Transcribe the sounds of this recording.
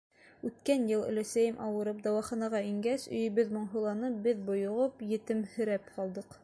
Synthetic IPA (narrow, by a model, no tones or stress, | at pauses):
ʉt̪kænjɤlˠɘ̰̆læ̆sæjɘmʔɑwɤ̆ɾɤp̚d̪ɑwɑχɑnɑʁɑiŋɡæsɵ̆jɵ̆βɘðmŏɴɦɤ̆lˠɑnɤp̚bɘðbŏjŏʁɤpjɘ̆t̪ɘmhɵ̆ɾæpqɑlˠd̪ɤq